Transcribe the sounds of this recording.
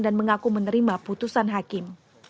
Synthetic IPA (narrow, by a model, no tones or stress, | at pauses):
danməŋakumənəɾimaput̪usanɦakɪm